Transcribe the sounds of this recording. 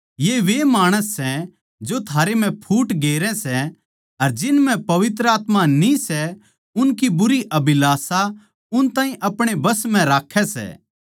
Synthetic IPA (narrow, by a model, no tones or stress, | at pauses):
jeʋemaːɽ̃əsːɛ | d͡ʒot̪ʰaːɾem̤ɛ̃pʰuːʈɡeːɾɛ̃sɛ | ɐɾd͡ʒɪnm̤ɛ̃pɐʋɪt̪ɾəaːt̪manisɛ | ʊnkibʊɾiʔɐbɪlaːsa | ʊnt̪ãːĩʔɐpɽ̃ebɐsmɛ̃ɾaːkʰːɛsɛ̰ː